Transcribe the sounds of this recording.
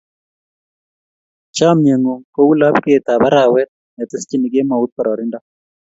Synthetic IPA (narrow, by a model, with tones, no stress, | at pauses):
t͡ʃa˦mɲe˨ŋo˨ko˦u˦la˦pke˦˨t̪a˨ba˦ɾa˨wɛ˦t̪̚ | nɛ˨t̪ɪ˦st͡ʃi˦ni˨ɡe˦ma˨u˦t̪̚pa˨ɾɔ˨ɾɪ˦nda˦